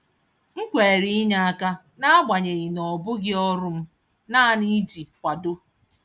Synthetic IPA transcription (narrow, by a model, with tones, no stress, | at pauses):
ŋ̩˦kʷe˨ɾi˦ɲa˦a˦ka˦ | na˦ɡ͡ba˨ɲe˨ɣɪ˨nɔ˨bʊ˦ɡɪ˦ɔ˦ɾʊ˦m̩˦ | na˦a˦ni˦d͡ʒi˨kʷa˨dʊ˦